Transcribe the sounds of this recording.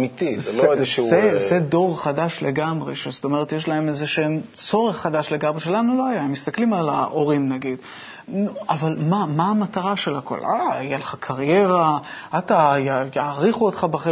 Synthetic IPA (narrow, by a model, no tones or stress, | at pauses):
mit̪izzloezeʃezedo̞ʁχadaʃle̞ɡamʁe̞ʃezot̪o̞me̞et̪jeʃlae̞mezeʃeemt͡so̞ʁeχːadaʃle̞ɡamʁeʃelanulo̞ajaemist̪aklimalaʔo̞ʁimnaɡid̥̪ | nuavalmamaːmataʁaʃelako̞̰lʔa̰ajelaχakʰaʁje̞ʁaatajajaːʁiχuot̪χabeχe